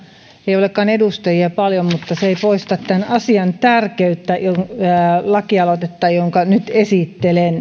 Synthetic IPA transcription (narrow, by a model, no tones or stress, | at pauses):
eiolekːˑɑːnedust̪ɑjiɑpɑljommut̪ːɑseeipoist̪ɑt̪t̪ænɑsiɑnt̪ærkeyt̪ːæjoŋlɑkiɑlot̪et̪ːɑjoŋkɑnyt̪esit̪ːelen